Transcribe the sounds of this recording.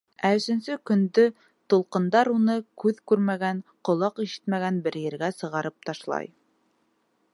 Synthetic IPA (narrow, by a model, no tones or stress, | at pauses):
æɵ̆sɵ̆nsɵkɵ̆nd̪ɵ | t̪ŏlˠqɤ̆nd̪ɑɾunɤkʉðkʉɾmæɡænqŏlˠɑqiʃɘ̥t̪mæɡænbɘ̆ɾjɘ̆ɾɡæsɤ̆ʁɑɾɤp̚t̪ɑʃlˠɑ̰j